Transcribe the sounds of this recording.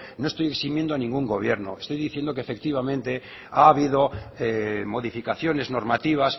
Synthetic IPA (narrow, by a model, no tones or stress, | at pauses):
noest̪ojeksimjend̪oanĩŋɡuŋɡo̞β̞je̞ɾno̰est̪o̞jðiθje̞nd̪o̞keːfe̞k̚t̪iβamẽnt̪e̞ | aːβiðo̞emo̞ðifikaθjo̞ne̞zno̞ɾmat̪iβ̞as